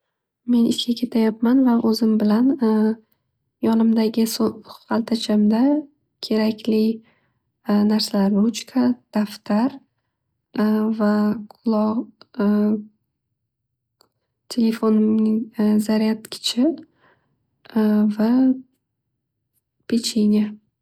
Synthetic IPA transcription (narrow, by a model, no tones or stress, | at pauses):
me̞nɪskʲakʲʰe̞t̪ʰajap̚manvaʔɵzɪmbɪlan | jɒnɪmd̪aɡʲɪsoqɑlt̪ʰat͡ʃʰamd̪a | kʲʰe̞ɾakʲʰlɪ | naɾsalaɾut͡ʃkʰad̪̥aft̪ʰaɾ | vaqʰʊlˠɒʁ | t̪ʲʰe̞le̞fonɪŋzaɾijat̪kʲʰɪ̥t͡ʃʰɪ | va | pʰet͡ʃʰenʲja